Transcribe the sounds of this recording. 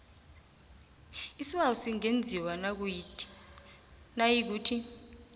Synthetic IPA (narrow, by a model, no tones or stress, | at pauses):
isiɓausiŋend͡zʱiwanak̬u | najik̬uːtʰi